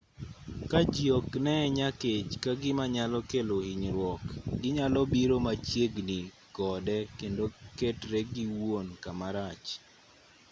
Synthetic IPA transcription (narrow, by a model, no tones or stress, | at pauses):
kad͡ʒjoknɛɲaket͡ʃkaɡɪmaɲalɔkelohiɲɾwɔkɡɪɲalɔbiɾomat͡ʃjeɡni | ɡɔdɛkendoketɾɛɡiwonkamaɾat͡ʃ